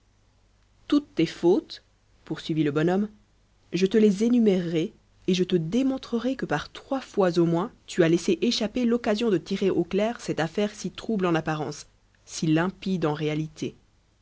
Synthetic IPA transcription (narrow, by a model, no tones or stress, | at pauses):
t̪ut̪ːefot̪ | puʁsɥiviləbɔnɔm | ʒət̪əlezenymeʁːeː | ʒət̪əd̪emɔ̃t̪χəʁɛkəpaʁt̪χwafwazomwɛ̃t̪yaleseʔeʃapelɔkazjɔ̃d̪ət̪iʁeʔoklɛʁsɛt̪afɛʁsit̪χublɑ̃napaʁɑ̰̃sː | ilɛ̃pid̪ɑ̃ʁealit̪ʰe